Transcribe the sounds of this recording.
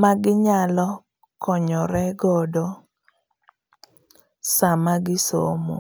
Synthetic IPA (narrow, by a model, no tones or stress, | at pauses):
maɡɪɲalɔ | kɔɲɔɾɛɡɔdɔ | samaɡɪsomo̰